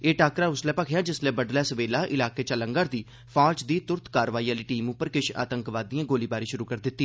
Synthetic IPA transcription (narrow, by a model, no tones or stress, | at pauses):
eːʈaːkɾaːʊslɛːpəkʰjãːd͡ʒɪslɛːbəɖlɛːsʋeːlaːʔɪlaːkeːt͡ʃələŋɡəːɾd̪iː | pʰaːlt͡ʃd̪iːt̪ʊɾt̪kaːɾʋaːiːaːliːʈiːmupːəɾkɪʃa̰ːt̪əŋkʋaːd̪ijãːɡoːliːbaːɾiːʃʊɾuːkəɾd̪ɪt̪ːiː